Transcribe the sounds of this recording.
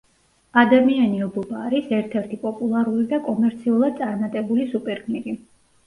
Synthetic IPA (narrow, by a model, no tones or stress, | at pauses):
ad̪amianiɔbɔbaːɾisɛɾt̪ʰɛɾt̪ʰipʼɔpʼulˠaɾulid̪akʼɔmɛɾt̪sʰiulˠad̪̚tsʼaɾnat̪ʼɛbulisupʼɛɾɡniɾi